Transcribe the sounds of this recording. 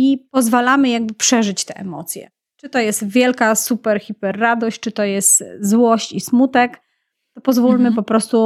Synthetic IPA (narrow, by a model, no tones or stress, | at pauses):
ipɔzvalamɘjaɡ̚bɘpʂɛʐɘt͡ɕt̪ɛʔɛmɔt̪sʲjɛ̰ | t͡ʂɘt̪ɔjɛst̪vʲjɛlkasupɛɾxʲipɛrːad̪ɔɕt͡ɕt͡ʂɘt̪ɔjɛst̪zwɔɕt͡ɕismut̪ɛk | t̪ɔpɔzvulmɘpɔpɾɔst̪u